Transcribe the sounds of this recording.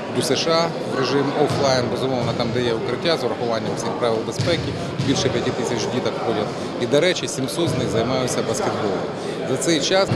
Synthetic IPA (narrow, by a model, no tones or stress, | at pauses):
d̪ʲusɛʃɑ | ɾeʒɪmɔflˠɑjnbezʊmɔʋnɐt̪ɑmd̪ɛjɛʊkɾɪtʲːazʊɾɐxʊʋɑnʲːɐmfsʲixpɾɑʋʲɪlˠbespɛkʲi | bʲilʲʃɛpʲjɐtʲit̪ɪsʲɐt͡ʃdʲit̪ɐkpɔdʲɐt̪ | id̪ɐɾɛt͡ʃɪsʲimsɔt̪znɪɣzɐjmɑjʊtʲt͡sʲːɐbɐskʲet̪̚bɔlˠʊ | zɐt̪sɛjt͡ʃɑs